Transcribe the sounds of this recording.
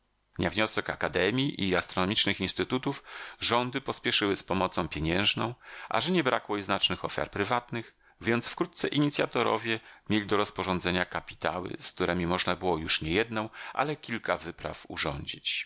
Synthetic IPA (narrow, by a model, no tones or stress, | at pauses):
ɲavɲɔsɛkakad̪ɛmʲjiʔiast̪ɾɔnɔmʲit͡ʂnɘxinst̪ɘt̪ut̪ufʐɔnd̪ɘpɔspʲjɛʂɘwɘspɔmɔt̪sɔ̃w̃pʲjeɲɛ̃w̃ʐnɔ̃w̃ʔa̰ʐɛɲɛbɾakwɔiznat͡ʂnɘxɔfʲja̰ɾpɾɘvat̪nɘx | vʲjɛnt̪sfkɾut̪̚t̪sɛʔiɲit̪sʲjat̪ɔɾɔ̰vʲjɛmʲjelʲid̪ɔɾɔspɔʐɔnd̪zɛɲakapʲi̥t̪a̰wɘ̰sk̚t̪uɾɛmʲimɔʐnabɘwɔjuʂɲɛjɛd̪nɔ̃w̃ʔa̰lɛkʲilkavɘpɾa̰fṵʐɔɲd͡ʑit͡ɕ